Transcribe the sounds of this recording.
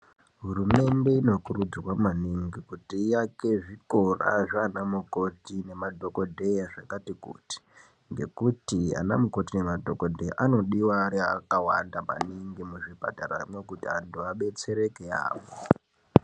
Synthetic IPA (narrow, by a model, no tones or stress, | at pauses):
ɦurume̞nde̞ino̞kurud͡zrwamaniŋɡikutiːjake̞ʐiko̞ra̰ʐaːnamuko̞tine̞madʱo̞ko̞dʱe̞jaʐakatikṵːti̥ | ŋɡe̞̰kutia̰na̰muko̞tine̞madʱokodʱejaʔano̞ɗiwaɾiaa̰kawandama̰niŋɡimuʐipatara̰imwe̞kutia̰ndoaɓe̞t͡se̞ɾe̞kea̰ːʋo